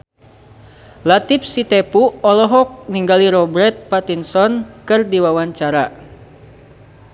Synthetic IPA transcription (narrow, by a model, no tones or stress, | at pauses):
lat̪ip̚sit̪ɛpuɔlɔɦɔk̚niŋɡaliɾɔbɾɛt̪̚pat̪insɔnkɨrdiwawaɲt͡ʃaɾa